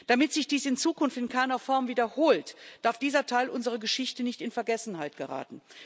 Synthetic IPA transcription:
d̥amɪtz̥ɪçd̥iːsɪnt͡suːkʊnftɪnkʰaɪnɐfɔɐmviːdɐhoːltd̥aɐfd̥iːzɐtʰaɪlʔʊnzəʁ̞əɡəʃɪçtənɪçtɪnfɛɐɡɛsn̩haɪtɡ̥əʁa̰ːtn̩

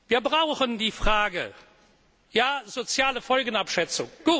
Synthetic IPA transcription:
viːɐbʁaʊxəndiːfʁ̥aːɡə̰ | jaːzot͡sjaːləfɔlɡənapʃɛt͡sʊŋɡ̥uːt

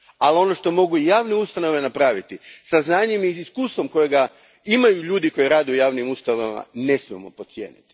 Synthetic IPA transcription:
alio̞no̞ʃt̪o̞mo̞ɡuijaːʋneust̪ano̞ʋe̞napɾaːʋit̪isaznaːɲemiiskuːst̪ʋo̞mko̞jeɡa | imajuʎuːd̪iko̞jiɾaːd̪eujaːʋnimust̪anoama̰ne̞smijemo̞po̞t̪sjḛːnit̪i̥

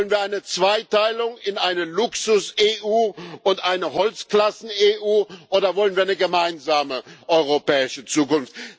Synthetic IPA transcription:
vlənviːɐʔaɪnət͡sv̥aɪtaɪlʊŋɪnʔaɪnəlʊksʊseːʔuːʔʊntʔaɪnəhɔlt͡sklasn̩eːʔuːʔoːdɐvɔlənviːɐaɪnəɡəmaɪnzaːməʔɔʏʁ̞opɛːɪʃət͡suːkʊnft

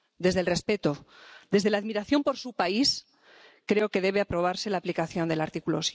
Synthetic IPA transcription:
d̪e̞zðelre̞spe̞t̪od̪e̞zðe̞laːðmiɾaθjo̞mpo̞ɾsupais | kɾe̞o̞ke̞ð̞e̞β̞eapɾo̞β̞aɾse̞laːplikaθjo̞nd̪elaɾt̪ikulos

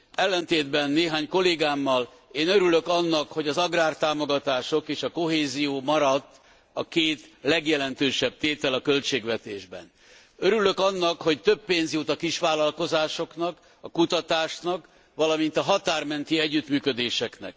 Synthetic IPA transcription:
ɛlːɛnt̪eːd̪bɛnːeːɦaːɲko̞leːɡaːmːɒl | eːnøɾylø̞kɒnːɒkho̞ɟɒzɒɡraːrt̪aːmo̞ɡɒt̪aːʃo̞keːʃɒko̞ɦeːzijoːmɒɾɒt̪ː | ɒkeːt̪lɛɡjɛlɛnt̪øːʃɛb̚t̪eːt̪ɛlɒkø̞lt͡ʃeːɡʋɛt̪eːʒbɛ̰n | øɾylø̞kɒnːɒkho̞ct̪ø̞bːeːnzjut̪ɒkiʃʋaːlɒlko̞zaːʃo̞knɒk | ɒkut̪ɒt̪aːʃnɒk | ʋɒlɒmint̪ɒɦɒt̪aːrmɛnt̪iɛɟːyt̪myːkød̪eːʃɛknɛ̰k̚

